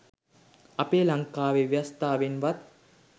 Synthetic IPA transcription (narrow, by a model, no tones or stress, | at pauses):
ɐpeːlaŋkaːʋeʋjast̪aːʋenʋat̪